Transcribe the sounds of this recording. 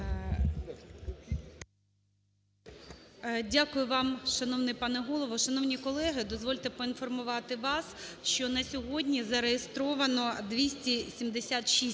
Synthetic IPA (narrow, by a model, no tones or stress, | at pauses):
dʲakʊjʊʋɑmʃɐnɔwnɪjpɑnɛɦɔlˠɔʋɔʃɐnɔwnʲikɔlˠɛɦɪd̪ɔzʋɔlʲt̪ɛpɔinfɔrmʊʋɑt̪ɪʋɑsʃt͡ʃɔnɐsʲɔɦɔdʲnʲizɐɾejest̪ɾɔʋɐnɔd̪ʋʲisʲtʲisʲimd̪esʲat̪ʃi